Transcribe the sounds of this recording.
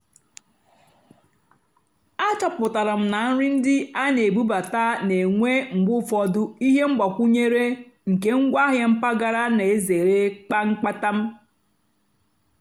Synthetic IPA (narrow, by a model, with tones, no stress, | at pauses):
a˦t͡ʃɔ˦pʊ˨ta˨ɾa˨m̩˦na˨n̩˦ɾɪ˦n̩˦dɪ˦a˦ne˨bu˦ba˨ta˦ne˨ŋʷe˦ŋ͡m̩˨ɡ͡bʊ˦fɔ˦dʊ˦i˦ɦe˦ŋ͡m̩˦ɡ͡ba˨kʷu˦ɲe˦ɾe˦ŋ̩˨ke˦ŋ̩˦ɡʷa˦ɦje˦m̩˦pa˦ɡa˦ɾa˦ne˨e˦ze˨ɾe˦k͡pa˦ŋ͡m̩˦k͡pa˦ta˦m̩˦